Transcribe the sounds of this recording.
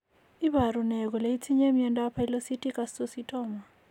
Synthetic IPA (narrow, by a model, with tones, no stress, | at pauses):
i˦baɾunɛ˨k̬ʼɔ˨lei˦t͡sʰi˦ɲe˦miɛntʼapʰa˦i˦losi˦tʼi˦kʼassositʼɔːma˨